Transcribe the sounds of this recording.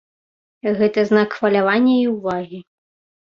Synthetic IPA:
ɣɛt̪ɐznakxfɐlʲavanʲːɛiwvaɣʲi

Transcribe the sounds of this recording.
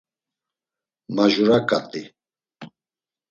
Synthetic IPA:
maʒuɾakʼat̪ʼi

